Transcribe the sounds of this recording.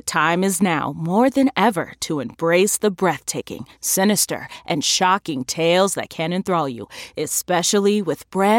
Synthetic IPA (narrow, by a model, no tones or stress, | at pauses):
ɨtʰãɪ̃mɨznaʊmɔɹðɨ̃nɛvə̰˞ɾəɨ̃mbɹeɪsðəbɹɛθtʰeɪkɪ̰̃ŋsɪñɨstə̰˞ʔɨ̃nʃɑkɪ̃ŋtʰeɪlˠzðɨ̰t̚kʰɨ̃ñɨ̃nθɹoʊlˠjṵɨspɛʃl̩ˠiwɨðb̥ɹɛ